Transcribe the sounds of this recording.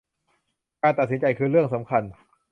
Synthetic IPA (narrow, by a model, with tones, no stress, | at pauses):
kaː˧nt̪a˨˩t̪̚si˩˦nt͡ɕa˧jkʰɯː˧ɾɯ˥˩əŋsa˩˦mkʰa˧n